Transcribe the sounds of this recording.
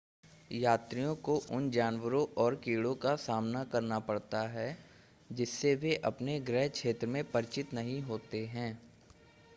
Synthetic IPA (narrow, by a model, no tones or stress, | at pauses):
jaːt̪ɾijõkoʔʊnd͡ʒaːnwəɾõʔɔːɾkiːɽõkasaːmnakɐɾnapɐɽt̪aɦɛː | d͡ʒɪsːeʋeʔɐpneɡɾɛɦkʃeːt̪ɾəmẽpɐɾɪt͡ʃɪt̪nɐɦĩɦoːt̪eɦɛ̃ː